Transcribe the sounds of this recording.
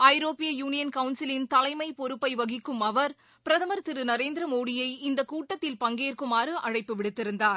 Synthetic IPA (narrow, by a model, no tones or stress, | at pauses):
ɐɪɾoːpɪjɐjuːnɪjɐnkɐʊnsɪlɪnt̪ɐlɐɪmɐɪpɔɾɯpːɐɪʋɐɣɪkːɯmɐʋɐɾ | pɪɾɐðɐmɐɾt̪ɪɾɯnɐɾeːnd̪ɪɾɐmoːɽɪjɐɪɪnd̪ɐkuːʈːɐt̪ːɪlpɐŋɡeːrkɯmaːɾɯʔɐɻɐɪpːɯʋɪɽɯt̪ːɪɾɯnd̪aːɾ